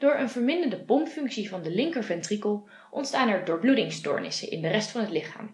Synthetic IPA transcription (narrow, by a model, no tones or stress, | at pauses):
d̥ʊːɹənvəɹmɪndəndəpɔmpfɵŋksivɑndəlɪŋkəɹvɛntrikəlˠ | ʔɔ̰ntstaːnɛɹdʊːɹbludɪŋstʊ̰ːɹnɪ̰sə̰ʔɪ̰ndərɛstfɑnɦətlɪχa̰ːm